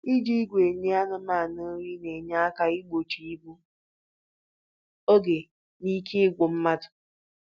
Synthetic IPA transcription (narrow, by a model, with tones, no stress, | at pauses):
i˦d͡ʒi˦ɡʷe˨ɲe˦a˦nʊ˦maː˦˨no˦ɾi˦ne˨ɲa˦a˦ka˦i˦ɡ͡bo˨t͡ʃi˨i˦bu˦ | o˦ɡe˨ | ni˦kʰe˦ɡʷo˨m̩˦ma˦dʊ̥˨